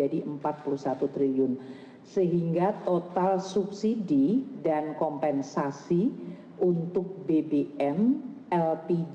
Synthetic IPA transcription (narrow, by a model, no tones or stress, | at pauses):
adiʔəmpat̪̚puluhsat̪ut̪ɾiliʊn | səɦiŋɡat̪ot̪alsup̚sididankɔmpɛnsasi | unt̪ʊk̚bebeɛm | ɛlpid͡ʒ